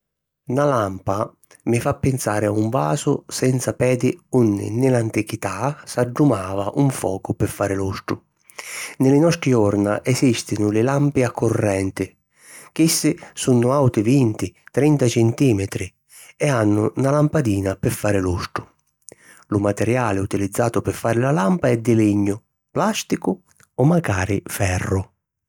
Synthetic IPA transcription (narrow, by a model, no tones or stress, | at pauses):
nalampa | mɪfapːɪnsaːɾɪauɱva̰ːsʊsɛnt̪sapɛːd̪ɪunːɪ̰nɪlant̪ikit̪asaɖːumaːvaʔuɱfɔ̰ːkʊpɪfːaːɾɪlust̪ɾʊ̰ | nɪlɪnɔst̪ɾɪɔɾna̰ʔɛsist̪ɪnʊlɪlampɪakːʊrːɛnt̪ɪ | k̟isːɪsunːʊawt̪ɪvint̪ɪt̪ɾint̪at͡ʃɛnt̪iːmɪt̪ɾɪ | ɛanːʊ̰nalampad̪iːnapɪfːaːɾɪlust̪ʊ | lʊmat̪ɛɾjaːlɪut̪ilid̪zːaːt̪ʊpɪfːaːɾɪlalampaɛd̪ːɪliɲːʊ | plast̪ikʊ | ɔmːaɡaːɾɪ̰fɛrːʊ